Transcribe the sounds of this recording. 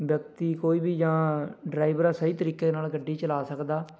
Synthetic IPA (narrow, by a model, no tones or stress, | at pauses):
bjək̚t̪iːkoːiːbiːd͡ʒãːɖɾaːibəɾaːsəiːt̪əɾiːkeːnaːlɡəɖːiːt͡ʃəlaːsəkd̪aː